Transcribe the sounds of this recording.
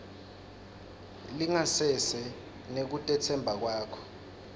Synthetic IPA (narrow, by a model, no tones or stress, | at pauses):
liŋasɛsɛ | nek̬utʼɛt͡sʰɛmbʱak̬waːkʰɔ̥